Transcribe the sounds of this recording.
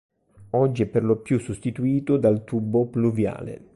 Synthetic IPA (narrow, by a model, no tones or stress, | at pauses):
ɔd͡ʒːiɛpːerlopjusːost̪it̪uiːt̪ʊd̪alt̪ubːopluvja̰ːlḛ